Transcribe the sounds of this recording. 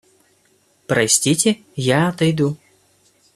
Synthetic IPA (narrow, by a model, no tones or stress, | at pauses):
pɾɐsʲtʲitʲɪ | jaɐt̪ɐjd̪u